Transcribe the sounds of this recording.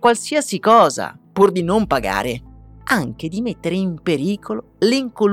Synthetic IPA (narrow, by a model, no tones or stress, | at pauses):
kwalsiasikɔːza̰purd̪inompaɡa̰ːɾeaŋk̟ed̪imet̪ːeɾeimpeɾiːkʰolo | liŋkol